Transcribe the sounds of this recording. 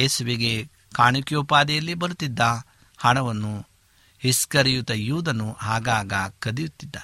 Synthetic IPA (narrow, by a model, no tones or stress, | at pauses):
eːsuʋiɡe̞ | kaːɳukjopaːd̪ɛjɐlːibɐɾut̪ːid̪ːɐ | hɐɳɐʋɐnːu | hiskɐɾijut̪ɐjuːd̪ɐnuɦaːɡaːɡɐkɐd̪ijut̪ːid̪ːa